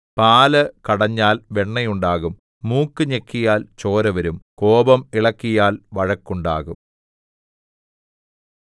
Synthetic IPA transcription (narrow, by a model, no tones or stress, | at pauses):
paːlɐkɐɽɐɲːaːlʋeɳːɐjuɳɖaːɣumː | uːkːɨɲekːijaːlt͡ɕo̞ːɾɐʋɐɾumkoːbɐmiɭɐkːijaːlʋɐɻɐkːuɳɖaːɣum